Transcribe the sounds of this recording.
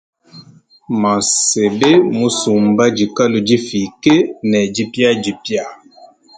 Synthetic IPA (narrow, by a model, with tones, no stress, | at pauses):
ma˨se˨be˦mu˦su˨m˨ba˦d͡ʒi˨ka˦lo˨d͡ʒi˦fi˨ke˦nɛ˨d͡ʒi˦pja˦d͡ʒi˨pja˦˨